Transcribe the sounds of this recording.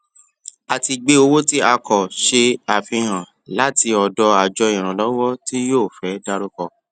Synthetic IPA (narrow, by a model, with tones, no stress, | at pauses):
a˨ti˧ɡ͡be˦o˧wo˦ti˦a˧kɔ˨ʃe˧a˨fĩ˧ɾã˨ | la˨˦ti˧ɔ˨dɔ˧a˨d͡ʒɔ˧ĩ˨ɾ̃ã˨lɔ˦wɔ˦ti˦joː˦˨fɛ˨˦da˧ɾo˦kɔ˧˨